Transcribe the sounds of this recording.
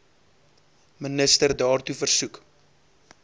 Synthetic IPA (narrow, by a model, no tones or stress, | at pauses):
mənəstərdɑːrtufərsuk